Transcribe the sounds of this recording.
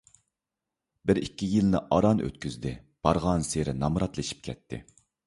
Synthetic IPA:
bɪɾikʲːijilnɪʔɑɾɑnø̰t̪kʲyzd̪ɪb̥ɑɾʁɑnseɾɪnɑmɾɑt̪lˠɨʃi̥p̚kʲʰɛt̪ʰːɪ̰

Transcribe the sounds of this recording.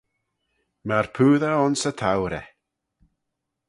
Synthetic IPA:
marpʰʉːðaɔnsətʰawɾɛ

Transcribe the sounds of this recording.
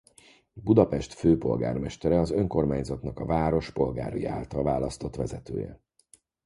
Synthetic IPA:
bud̪ɒpɛʃt̪føːpo̞̰lɡa̰ːrmɛʃt̪ɛɾɛɒzø̞ŋko̞rmaːɲzɒt̪nɒkɒvaːɾo̞ʃpo̞lɡa̰ːɾujia̰ːlt̪ɒlvaːlɒst̪o̞t̪ʋɛzɛt̪ø̰ːjɛ̰

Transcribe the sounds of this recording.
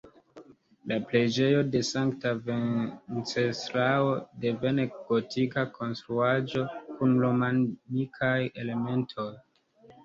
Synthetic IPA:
laple̞d͡ʒe̞jo̞de̞saŋktavet͡sestɾao̞de̞ve̞neɡ̥o̞tʰikakʰo̞nstɾuad͡ʒo̞kunlomanikʰaje̞le̞me̞ntʰo̞j

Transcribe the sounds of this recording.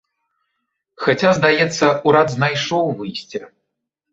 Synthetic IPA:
xat͡sʲazd̪ajɛt̪sːɐuɾad̪znajʂɔwvɨjsʲt͡sʲɛ

